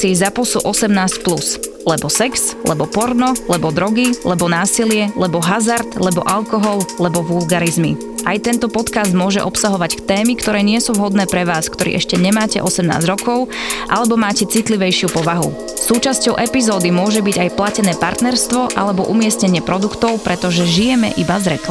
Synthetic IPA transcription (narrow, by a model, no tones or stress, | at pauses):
sizapɔsṵʔɔsɛmnaːscplus | lɛbɔsɛkslɛbɔpɔɾnɔlɛbɔd̪ɾɔɡilɛbɔnaːsilɪɛlɛbɔɦazaɾt̪lɛbɔ̰ʔalkɔɦɔllɛbɔʋulɡaɾizmḭ | ʔajt̪ɛnt̪ɔpɔt̪kazd̪mʊɔʒɛʔɔpsaɦɔʋackt̪ɛːmikt̪ɔɾɛːɲɪɛsuʋɦɔd̪nɛːpɾɛʋaːskt̪ɔɾḭːʔɛʃcɛɲɛmaːcɛ̰ʔɔsɛmna̰ːzɟɾɔkɔʊ | ʔalɛbɔmaːcɛt͡sit̪liʋɛjʃɪupɔʋaɦṵ | suːt͡ʃascɔʊʔɛpizɔːd̪imʊɔʒɛbiɟajplacɛnɛːpa̰ɾt̪nɛɾst̪ʋɔʔa̰lɛbɔʔumɪɛsɲɛɲɪɛpɾɔd̪ukt̪ɔʊpɾɛt̪ɔʒɛʒijɛmɛ̰ʔibazɾɛkl